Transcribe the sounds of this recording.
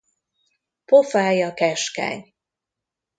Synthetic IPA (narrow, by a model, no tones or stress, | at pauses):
pofaːjɒkɛʃkɛ̰ɲ